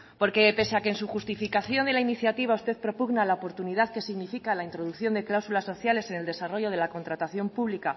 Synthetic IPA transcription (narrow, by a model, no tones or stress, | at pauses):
po̞ɾke̞pe̞seakensuxust̪ifikaθjo̞nd̪e̞lainiθjat̪iβ̞aust̪e̞ðpɾo̞puɣnalaopo̞ɾt̪uniðaðke̞siɣnifikalaint̪ɾo̞ðukθjo̞nd̪e̞klawsulasːo̞θjale̞se̞neld̪e̞saroʝo̞ð̞e̞lako̞nt̪ɾat̪aθjo̞mpuβlika